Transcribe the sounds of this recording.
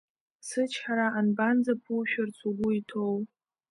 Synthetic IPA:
sɨt͡ʃʰħaɾaʔːnband͡zapʰuʃᶣart͡sʷʰuɡʷʊitʰow

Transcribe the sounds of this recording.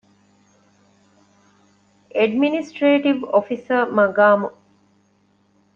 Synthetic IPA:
ʔeɖminisʈɾeːʈiʋofisəɾmɐɡaːmu

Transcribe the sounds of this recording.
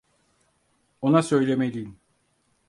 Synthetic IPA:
o̞nasø̞jlʲemelʲijim

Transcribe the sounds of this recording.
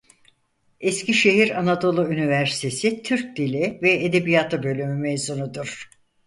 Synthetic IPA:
esciʃe̞ɦiɾanad̪o̞lˠuynivæɾsi̥t̪ʰe̞sit̪ʰyɾc̚d̪ilʲivɛed̪e̞bijat̪ʰɯbø̞lʲymymejzunud̪uɾ̥

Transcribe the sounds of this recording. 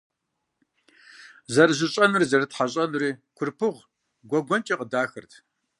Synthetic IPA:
zɐrɨʑɪɕʼɐnɨrzɐrɨtħaɕʼɐnriːkʷʰʊrpʰɨʁ | ɡʷɔɡʷɔnt͡ʃʼiqədaːxɨ̰rtʰ

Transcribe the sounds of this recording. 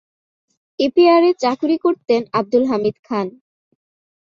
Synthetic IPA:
epiaɾet͡ɕakuɾikoɾt̪enab̚d̪ulɦamid̪kʰan

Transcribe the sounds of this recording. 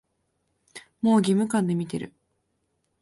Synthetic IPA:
mo̞ːɡʲimɯ̟kãnd̪e̞mʲit̪e̞̰ɾɯ̟̰

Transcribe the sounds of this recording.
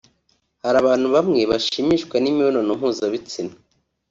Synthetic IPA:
haɾaβaːn̥huβamŋe̞βaʃiːmiʃkwanimiononom̥uːzaβit͡sina

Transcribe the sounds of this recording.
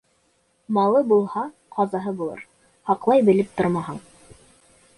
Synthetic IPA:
mɑlˠɤbulˠhɑ | qʰɑzɑɦɤbulˠɤ̰ɾ | hɑqlˠɑjbɘ̆lɘp̚t̪oɾmɑɦɤɴ

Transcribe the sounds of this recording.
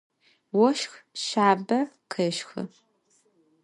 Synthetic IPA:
wɔʃxʃaːbɐqʰɨʃxɨ̰

